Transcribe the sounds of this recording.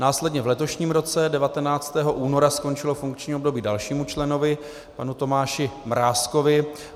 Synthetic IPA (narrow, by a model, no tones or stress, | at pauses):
naːslɛdɲɛvlɛt̪o̞ʃɲiːmɾo̞t͡sɛdɛvat̪ɛnaːt͡st̪ɛːɦo̞ʔuːno̞ɾasko̞nt͡ʃɪlo̞fuŋkt͡ʃɲiːo̞bdo̞biːdalʃiːmut͡ʃlɛno̞vɪ | panut̪o̞maːʃɪmɾaːsko̞vɪ